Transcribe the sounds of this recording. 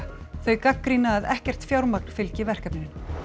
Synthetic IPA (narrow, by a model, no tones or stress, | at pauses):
θœɥjkakːɾiːnaːðɛhcɛr̥t̪fjawɾmak̚n̥fɪlcɪvɛr̥kapnɪnɪn